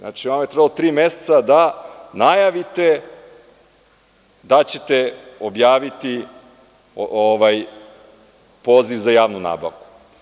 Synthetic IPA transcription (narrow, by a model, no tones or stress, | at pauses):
a̰ːt͡ʃiamojet̪ɾebalot̪ɾiːmese̥t̪sad̪anajaʋit̪e | d̪at͡ɕe̞t̪eobjaːʋit̪i | oʋaj | po̞ːziʋzajaːʋnuna̰ːbaʋku̥